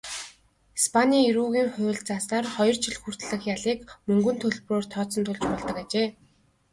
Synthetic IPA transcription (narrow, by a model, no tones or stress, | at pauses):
ispʰanʲiːiɾuːɣiːŋχʊ̟ːɮt͡saːsnaːrχɔjɞ̆r̥t͡ɕʰiɮxur̥t̪ɮɘ̆xjaɮiːkmɵŋɡɵ̆nt̪ʰɵɮp̆roːr̥t̪ʰɔːt͡sɞ̆nt̪ʰʊɮt͡ɕpɔɮt̪ɞ̆kat͡ɕeː